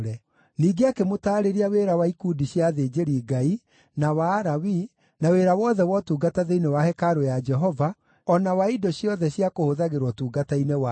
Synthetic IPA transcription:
ɾɛ | niːɡeakemotaːɾeɾiaweːɾawaikudiɕjaðeːd͡ʒeɾiːɡai | nawaːɾawi | naweɾawɔðɛwɔtuːɡataðeinewahɛkaɾojad͡ʒɛɦɔva | ɔnawaidɔɕiɔðɛɕjakohoðaɣeɾwɔtuːɡatainewa

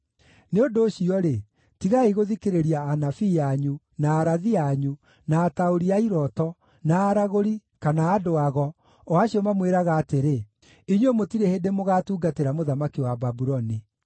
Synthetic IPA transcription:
neondoːɕiɔɾe | tiɣaiɣoðikeɾeɾiaːnafijaɲu | naːɾaðiaɲu | naːtaoɾiaiɾɔtɔ | naːɾaɣoɾikanaːdoaɣɔ | ɔaɕiɔmamweɾaɣaːteɾe | iɲwomotiɾehedemoɣaːtuːɡateɾamoðamakiwababuɾɔni

